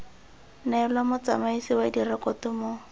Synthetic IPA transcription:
nɛlwamʊt͡samaisiwadirɛkɔtʊmo

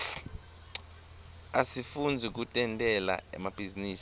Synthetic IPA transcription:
asifund͡zʱik̬utʼɛntʼɛla̰ɛ̰mab̥ʱiziniːs

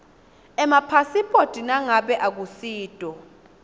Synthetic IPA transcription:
ɛmapʰasipʼod̥ʱʼinaŋaɓɛʔak̬usiːd̥ʱʼɔ

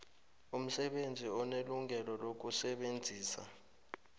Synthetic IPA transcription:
um̩sɛɓend͡zʱiɔneluŋʱɛlɔlok̬usɛɓend͡zʱiːsa̰

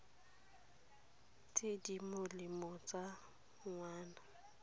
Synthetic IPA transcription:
tʼedimʊlɪmɔt͡sʼa | ŋwaːna

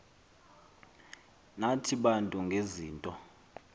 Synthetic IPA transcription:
natʰiɓantʼuŋɡʱeziːntʼɔ

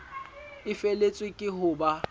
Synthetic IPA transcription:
ɪfelet͡sʼwɪkʼɪɦʊːba

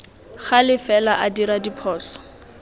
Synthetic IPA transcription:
χalɪfɛlaʔadiɾadipʰɔːsɔ̥

